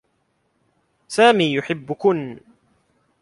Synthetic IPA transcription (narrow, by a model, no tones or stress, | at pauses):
saːmiːjʊħɪbːʊkʊn